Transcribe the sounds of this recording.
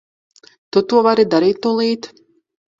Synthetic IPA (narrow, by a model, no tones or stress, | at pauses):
t̪ut̪uɔvaɾid̪aɾiːt̪nulˠiːt̪